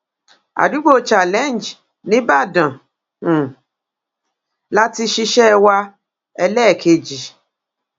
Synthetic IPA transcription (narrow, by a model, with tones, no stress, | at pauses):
a̰˨du˨˦ɡ͡bo˦t͡ʃa˨lɛ˦˨n˨d͡ʒ | nĩ˨˦ba˦˨dã˨ | la˦ti˧ʃi˧ʃɛ˦wa˧ | ɛ˧lɛ˦˨kʰe˧d͡ʒi˨